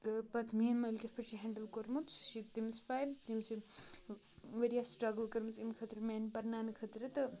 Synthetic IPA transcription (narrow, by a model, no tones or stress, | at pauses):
ɨpɐt̪ʰmiɐnmɐlkʲɐspʰɐʈt͡ʃʰiɦɛːɳɖəlkoɾmut̪ʃit̪imspaːjlt̪imsʰi | ʋɐɾijasʈɾɐɡəlkɐɾmɐt͡simkʰɐt̪ɾɨmeːnpɐɾnaːnɨkʰɐt̪ɾɨt̪ɨ